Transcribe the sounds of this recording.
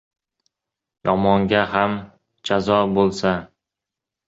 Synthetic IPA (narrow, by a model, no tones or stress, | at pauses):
jɒmɒŋɡʲaham | d͡ʒazɒbolˠsa